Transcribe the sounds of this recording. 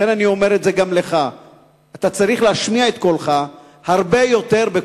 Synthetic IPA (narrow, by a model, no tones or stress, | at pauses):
enanio̞me̞ʁetzeɡamle̞χa | at̪at͡saʁiχleaʃmiaet̪̚kolχa | haʁbe̞jo̞te̞ʁbe